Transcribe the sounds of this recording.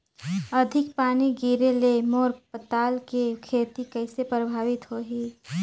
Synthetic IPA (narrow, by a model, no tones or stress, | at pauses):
əd̪ʱɪk̚paːniɡiːɾelemoːɾpət̪aːlkekʰeːt̪ikəɪsepɾəbʱaːʋɪt̪ɦoɦiː